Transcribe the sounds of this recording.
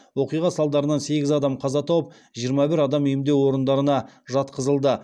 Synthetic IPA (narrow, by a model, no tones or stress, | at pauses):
wo̞qijʁɑsɑlˠd̪ɑɾənɑnse̞ɡʲɪzɑd̪ɑmqʰɑzɑt̪ʰɑwəp̚ | ʒijəɾmɑbɪɾɑd̪ɑmejmd̪ewo̞ɾənd̪ɑɾənɑʒɑt̪qəzəlˠd̪ə